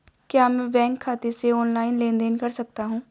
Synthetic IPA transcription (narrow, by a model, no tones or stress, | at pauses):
kjaːmɛ̃bɛ̃ːŋkʰːaːt̪eseɔːnlaːɪnlẽːnd̪eːnkɐɾsɐk̚t̪aɦũː